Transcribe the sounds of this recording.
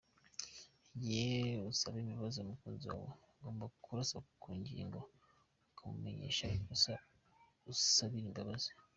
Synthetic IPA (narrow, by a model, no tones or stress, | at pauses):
jeusaβimiβazomukuːnziwa̰wo̰ | ɡo̞ːmbakʰuɾasakuːɲɟḭːŋɡo̞ | kʰamṵme̞ɲe̞̰ːʃakusa | usaβiiŋɡaβazo